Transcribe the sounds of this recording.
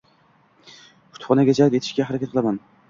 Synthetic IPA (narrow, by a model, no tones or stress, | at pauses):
ʊ̥t̪χɒnaɡʲad͡ʒalˠpje̞t̪ʰɪʃkʲahaɾakʲat̪̚qʰɨlˠaman